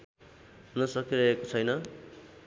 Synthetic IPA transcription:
ɦunʌsʌkiɾʌekot͡sʰʌjnʌ

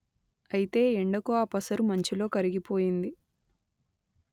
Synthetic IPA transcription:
ɐjit̪e̞ːeɳɖɐkuaːpɐsɐɾumɐɲt͡ʃilo̞ːkɐɾiɡipo̞ːjind̪i

